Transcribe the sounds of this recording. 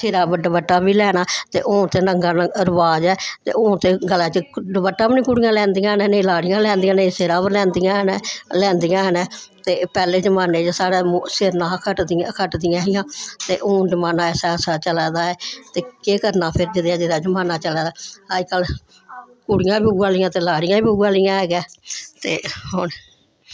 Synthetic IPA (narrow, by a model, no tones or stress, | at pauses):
seːɾaːbəɖəbəʈːaːbiːlɛːɽ̃aːt̪ḛːʔõːt̪eːnəŋɡaːɾəʋaːd͡ʒɛːt̪ḛːoːt̪eːɡəlɛ̃ːt͡ʃəɖəbəʈːaːbnĩːkuɽɪjãːlɛ̃ːnd̪ɪjãːɦnɛ̃ːneĩlaːɽɪjãːlɛ̃ːnd̪ɪjãːneĩseːɾaːbəlɛ̃ːnd̪ɪjãːɦənɛlɛ̃ːnd̪ɪjãːɦənɛ̃ː | t̪eːpɛːleːd͡ʒəmaːneːd͡ʒsaːɽeːmːseɾnãːkʰəʈd̪ɪakʰəʈd̪ɪjãːɦɪjãːt̪ḛːʔʊ̃ːd͡ʒəmaːnãːɛːsɛːsaːt͡ʃəlɛːd̪aːɛːt̪eːkeːkəɾnãːpʰɪɾd͡ʒɪd̪ãːd͡ʒɪd̪aːd͡ʒəmaːnaːt͡ʃəlɛːd̪aːad͡ʒkəl | kʊɽɪjãːbiːuɡaːlɪjãːt̪eːlaːɽɪjãːbiuɡaːlɪjãːɦɛːɡɛːt̪eːɦʊn